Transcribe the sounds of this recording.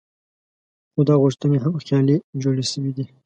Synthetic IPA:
xod̪ɑɣʊʂt̪əneɦamxjɑlid͡ʒoɽeʃəwid̪i

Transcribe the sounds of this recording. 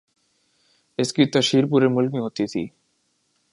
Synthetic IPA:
eskɾit̪ːaʃiɾp̬uɾemulmiɦot̪ːit̪ʰḭ

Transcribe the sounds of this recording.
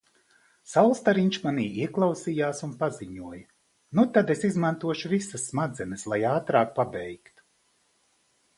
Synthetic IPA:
sawlˠst̪aɾiɲt͡ʃmaniːiɛklˠɑwsijaːsunpaziɲuɔj | nut̪ad̪esizmant̪uɔʃuvisɐsːmad̪zɛnɨslˠajaːt̪ɾaːk̚pabʲɛjkt̪

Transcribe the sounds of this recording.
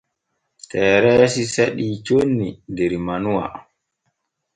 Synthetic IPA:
tʰɛːɾɛːsiseɗiːt͡ʃonːidɛɾmanuwa̰

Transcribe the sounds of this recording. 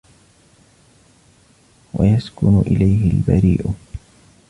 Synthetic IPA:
wa̰jaskʊnʊʔɪlajɦɪlba̰ɾḭːʔʊ

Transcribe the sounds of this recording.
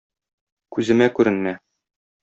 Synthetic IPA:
kʉzɘ̆mækʉɾɘ̆nmæ

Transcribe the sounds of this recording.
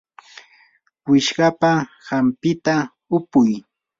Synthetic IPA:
wɪʃɢɑpa | hampɪt̪a | ʊpʊj

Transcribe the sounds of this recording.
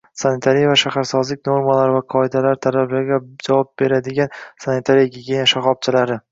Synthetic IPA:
sanɪt̪ʰaɾijavaʃahaɾsɒzlɪk̚ʲnoɾmalaɾvaqʰɒɪd̪alaɾt̪ʰalablaɾɡʲad͡ʒavɒp̚be̞ɾad̪ɪɡʲansanit̪ʰaɾijaɡʲiɡʲenaʃaχɒb̚t͡ʃʰɪlaɾɪ

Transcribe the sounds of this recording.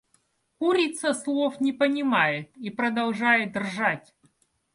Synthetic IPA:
kuɾʲit̪səslˠofnʲɪpənʲɪmajɪipɾəd̪ɐlˠʐajɪd̪ʲɪrʐatʲ

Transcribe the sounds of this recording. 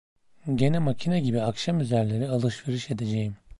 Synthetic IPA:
ɟe̞nɛmacʰinaɟibiakʃamyzæɾlʲe̞ɾialˠɯʃve̞ɾiʃe̞d̪e̞d͡ʒejim

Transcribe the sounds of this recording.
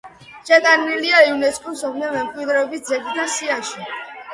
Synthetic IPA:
t͡ʃɛt̪ʼaniliaiunɛskʼusɔmamɛmkʼwid̪ɾɛɔbis̚d̪zɛb̪id̪asiaʃi

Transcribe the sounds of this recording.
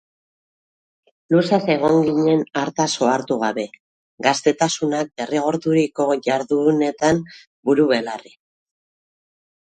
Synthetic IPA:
lusase̞ɣ̞o̞ŋɡiɲe̞naɾt̪aso̞aɾt̪uɣaβe̞ | ɡast̪e̞t̪asunak̚be̞riɣo̞ɾðuɾiko̞ʝaɾðune̞t̪am | buɾuβe̞lari

